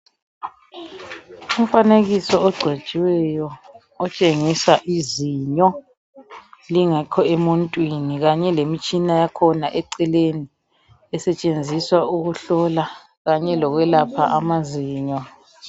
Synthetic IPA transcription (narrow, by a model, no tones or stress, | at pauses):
umfaneɣisɔɔɡ͡ǀʱe̥ʒ̥ʼʱiwɛjɔ | ɔt͡ʃʼeŋisaʔiziɲɔ | liŋakʰɔemuntʼwiniɣaɲɛlemit͡ʃʼinajakʰɔnaʔɛǀɛleni | ɛsɛt͡ʃʼend͡zʱiswauɣuɬɔla | ɣaɲɛlɔɣwɛlapʰa̰ʔamaziːɲɔ